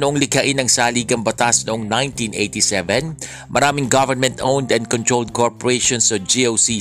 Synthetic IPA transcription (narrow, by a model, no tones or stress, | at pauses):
nʊʔoŋlɪkɐʔɪnɐŋsaːliːɡɐŋbɐt̪asnʊʔoŋnajnt̪inʔejt̪isɛvɛn | mʔɐɾaːmɪŋɡavɛɹmɛ̃nt̪ʔownd̪ɛnd̪̚kɔnt̪ɾold̪̚koɹpɔɹejʃɔnsɐd͡ʒiowsi